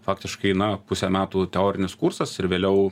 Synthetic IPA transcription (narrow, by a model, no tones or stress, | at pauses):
fɑːkt̪ʲɪʃkɐɪnɐpʊsʲɛmʲæːt̪uːt̪ʲɛoːɾʲɪnʲɪskursɐsɪɾʋʲeːlʲɛʊ